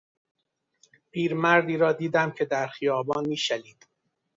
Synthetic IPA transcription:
pʰiːɾmæɾd̪iːɾɒːd̪iːd̪æmcʰe̞d̪æɾxijɒːbɒːnmiːʃæliːd̪̥

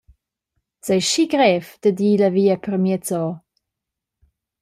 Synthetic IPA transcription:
sɛjʃiɡɾɛvd̥̪əd̪iːləviːəpɾəmjɛt͡sɔ

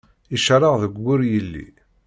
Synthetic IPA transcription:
iʃɾˤəʁðəɡʷːʊɾjəlːḭ

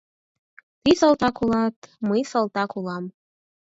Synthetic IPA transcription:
t̪isəlˠt̪ɑkulɑt̪məjsəlˠt̪ɑkulˠɑm

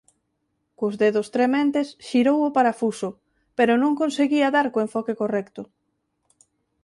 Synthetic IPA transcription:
kʊzðeðʊst̪ɾemẽnt̪esʃiɾowʊpaɾafusʊ | peɾʊnõŋkonseɣiɐðaɾkoeɱfɔkekorɛkt̪ʊ

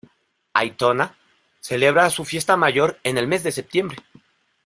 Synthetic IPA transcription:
a̰jt̪o̞na | se̞le̞β̞ɾasufje̞st̪amaʝo̞ɾe̞ne̞lme̞zðe̞se̞p̚t̪je̞mbɾe̞

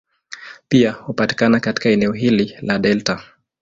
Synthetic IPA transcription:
piahupati̥kanakati̥kaɛnɛɔɦililaɗɛlta

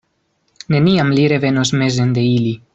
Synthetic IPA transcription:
ne̞niamliɾe̞ve̞nosme̞ze̞nd̪e̞ili

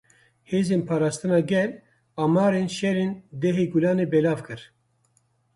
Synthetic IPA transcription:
heːzeːnpʰɑːɾaːst̪ɨnɑːɡɛl | aːmɑːɾeːnʃɛɾeːnd̪ɛɦeːɡulɑːneːbɛlaːvkɨɾ

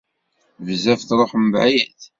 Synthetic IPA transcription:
vzæfθɾˤoħəmbʕajæθ

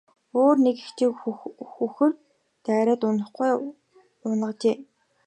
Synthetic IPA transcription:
oːrnekixt̪ʰeːkxuxɘ̆rt̪ː | æːɾʲæːt̪ʊnə̆χɡuj | ʊnə̆t͡ɕeː

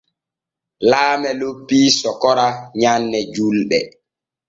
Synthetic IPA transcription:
laːmɛlopːiːsɔkɔɾaɲanːɛd͡ʒulɗɛ

